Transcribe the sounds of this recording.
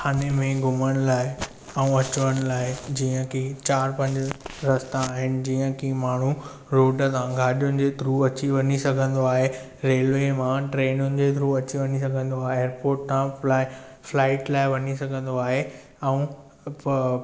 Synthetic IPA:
kʰaːnemẽɡʱʊməɽ̃ʊlaːɪ | ɛ̃ũɐt͡ɕʊʋəɽ̃laːɪd͡ʑiːə̃kʰit͡ɕaːɾpɐ̃ɲd͡ʑɾɐst̪ãːɦɪnɪ̆d͡ʑiːə̃kʰimaːɳ̤u | ɾoːɖət̪ãɡʱaːɗijʊnɪ̆d͡ʑed̪ʱɾuːɐt͡ɕiʋɐnisɐɡʱə̃nd̪oaːɦe | ɾeːlʋemãʈɾeːnʊnɪ̆d͡ʑet̪ʰɾuɐt͡ɕiʋɐnis̬ɐɡʱə̃nd̪oaːɦeːeːɾpoːɾʈ̚t̪ãlaːɪ | flaːɪʈlaːɪʋɐɲisɐɡʱə̃nd̪oaːɦe | ɛ̃ũ

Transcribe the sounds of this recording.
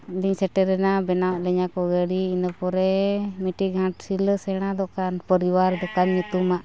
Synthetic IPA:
d̪iɲsɛʈɛɾɛnabɛnawaʔlɛɲakɔɡəɽiinəpɔɾɛmiʈiɡɦãʈsiləsɛɽ̃ad̪ɔkanpəɾiwaɾd̪ɔkanɲut̪umaʔ

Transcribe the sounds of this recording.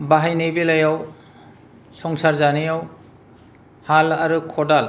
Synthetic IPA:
baɦajnejbelajaw | sɔŋsaɾzanijaw | halaɾɯkʰɔdal

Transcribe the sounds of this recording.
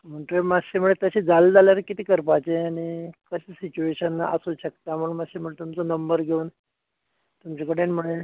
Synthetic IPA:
m̤əɳt̪uemaɕim̤əɭet̪əɕiːd͡zald͡zaljaɾəkit̪iːkəɾpat͡ɕeaɽ̃ikəɕesit͡ɕueɕənːa̰ʔəsuɕək̚t̪am̤əɳmaɕem̤əɭet̪umt͡sonəmbəɾɡʱeuːn | t̪umt͡ɕekəɽenm̤əɽe

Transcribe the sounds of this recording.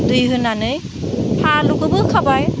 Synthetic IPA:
dujɦɯnanɯj | haluɡɯbɯkʰabaj

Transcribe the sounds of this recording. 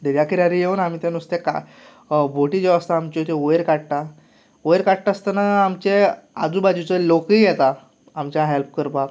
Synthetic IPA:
d̪eʋjakiɾaɾijewnam̤iːt̪enust̪eka̰ | bʱoʈid͡ʑɔəst̪aːmt͡ɕɔt̪eojɾkaɽʈ̪a | ojɾkaʈʈaəst̪ənaːmt͡ɕead͡zubad͡ʑut͡səlokijɛt̪aː | mt͡ɕjaɦelp̚kəɾpa

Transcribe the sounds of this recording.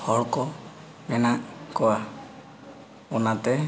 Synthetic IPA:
hɔɭkɔ | mɛnaʔkɔa | ɔnat̪ɛ

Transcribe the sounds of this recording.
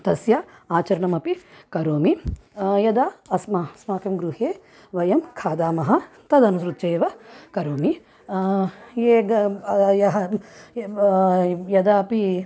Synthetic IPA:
t̪ɐsjɐaːt͡ʃɐɾɐɳɐmɐpikɐɾoːmijɐd̪aɐsmɐsmaːkɐmɡɾuheː | ʋɐjɐmkʰaːd̪aːmɐɦɐ | t̪ɐd̪ɐnusɾut̪ːt͡ʃeːʋɐkɐɾoːmi | jeːɡjɐɦɐ | jɐd̪ɐɐpi

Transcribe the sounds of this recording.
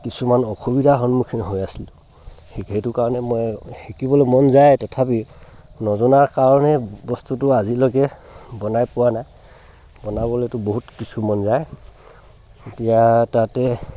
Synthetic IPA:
kisumanɔxubidʱaxɔnmukʰinɦojasil | hhejtʊkaɹɔnɛmɔjxikibɔlojmɔnzajtɛtʰapi | nɔzɔnaɹkaɹɔnɛbɔstutʊazilɔɡɛbɔnajpʊwanaj | bɔnabɔletʊboɦutkisʰumɔnzaj | etijatatɛ

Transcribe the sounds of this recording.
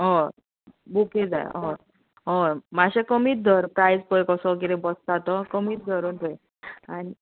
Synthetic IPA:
ɦɔ | buked͡za̰j̰ɦɔ | ɦɔ̃maɕekəmiːt̪̚d̪ʱəɾpɾajd͡zpəjkɔsɔkit̪ẽbəst̪at̪ɔkəmiːt̪̚d̪ʱəɾunpəj | ani

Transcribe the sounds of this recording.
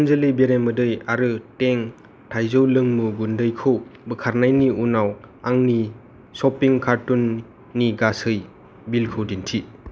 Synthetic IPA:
nzelɯjbeɾemːɯdɯjaɾɯteŋ | tʰajzowlɯŋmuɡundɯjkʰɯwbɯkʰaɾnajniunawaŋni | sɔpiŋkaɾtunː | iɡasɯj | bilkʰɯwdintʰi

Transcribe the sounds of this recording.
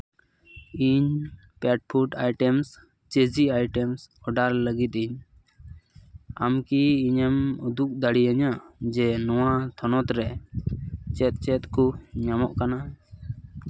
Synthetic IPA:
iɲ | pɛʈ̚pʰuʈajʈɛms | t͡ʃed͡ʒiajʈɛmsɔɖaɾləɡit̪̚iɲ | a̰mkiːɲəmud̪uk̚d̪aɽiaɲad͡ʒɛnɔwat̪ʰɔnɔt̪ɾɛ | t͡ʃɛt̪̚t͡ʃɛt̪̚kuɲamɔʔkana

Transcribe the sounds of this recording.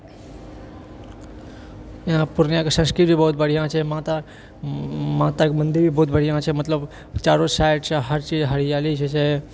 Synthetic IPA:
ãpʊɾnjãksə̃nskɾɪʈbʱibəut̪̚bəɽ̤ijãt͡ʃʰemãt̪a | mãːt̪akmənd̪ibʱibəːut̪̚bəɽ̤ijãt͡ʃʰemət̪ləb | t͡ʃaːɾosaːɪʈt͡ʃʰeɦəɾt͡ʃiːd͡ʒɦəɽijaːlit͡ʃʰet͡ʃʰe

